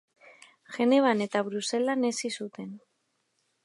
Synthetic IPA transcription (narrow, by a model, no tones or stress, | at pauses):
ʝe̞neβ̞ane̞t̪aβɾuse̞lane̞sisut̪e̞n